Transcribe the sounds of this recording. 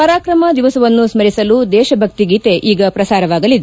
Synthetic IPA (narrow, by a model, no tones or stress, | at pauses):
kɐɾaːkɾɐmɐd̪iʋɐsɐʋɐnːusmɐɾisɐlud̪ɛːʃɐbʱɐk̚t̪iɡiːt̪e̞ʔiːɡɐpɾɐsaːɾɐʋaːɡɐlid̪e